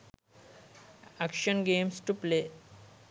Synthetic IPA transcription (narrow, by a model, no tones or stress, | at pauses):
ækʃənɡeːmsʈuple